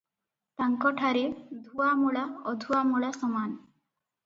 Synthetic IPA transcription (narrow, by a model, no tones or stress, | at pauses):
t̪aŋkɔʈʰaɾid̪ʱuamuɭaɔd̪ʱuamuɭasɔman